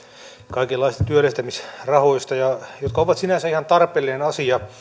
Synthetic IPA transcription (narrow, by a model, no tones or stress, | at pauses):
kɑikelːɑist̪ɑt̪yølːest̪æmisrɑhoist̪ɑjɑjot̪̚kɑoʋɑt̪sinæsæihɑnt̪ɑrpelːinenɑsiɑ